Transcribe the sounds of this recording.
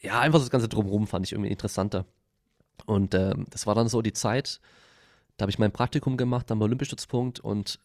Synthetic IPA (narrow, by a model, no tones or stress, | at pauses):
jaːʔaɪnfaχsd̥sɡ̥ant͡sədʁʊmʁʊmfandɪçʔɪ̰ŋ̩tviːɪntə̥ʁəsantɐ | ʔʊntʔɛːmd̥asv̥aːɐɾanzoːdiːt͡saɪt | d̥aːhabɪçmaɪnpʁ̥ak̚tikʰʊmɡəmaχt̚d̥anmaolʏmpjɐʃtʏt͡spʰʊŋktʊ̰nt